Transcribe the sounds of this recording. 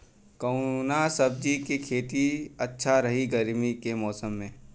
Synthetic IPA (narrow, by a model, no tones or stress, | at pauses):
kəʊnasɐb̚d͡ʒikekʰeːt̪iɐtːʃʰaɾɐɦiɡəɾmikemɔːsəmːẽː